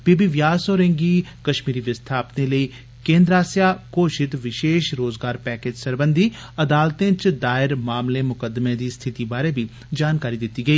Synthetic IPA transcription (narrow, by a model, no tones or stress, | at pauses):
biːbiʋjaːsoːɾẽŋɡiːkɐʃmiːɾiʋɪst̪ʰaːpneləi | kẽːnd̪ɾaːsjaːkoːʃɪt̪ʋɪʃeːʃɾoːzɡaːɾpɛːkeːd͡ʒsəɾbə̃nd̪ʱi | ɐd̪aːlt̪ẽt͡ʃd̪aːɪɾmaːmlemʊkəd̪mẽd̪iːst̪ʰɪt̪ibaːɾebʱi | d͡ʒaːnkaːɾid̪ɪt̪iɡəiː